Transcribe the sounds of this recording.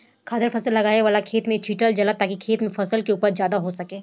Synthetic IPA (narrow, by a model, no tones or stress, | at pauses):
kʰaːd̪əɾfʰɐsəlːɐɡaːeʋaːlakʰeːt̪mẽt͡ʃʰiːʈəld͡ʒɐlat̪ːaːkikʰeːt̪mẽfɐsəlkeuːpəɾzjaːd̪aɦosɐkeː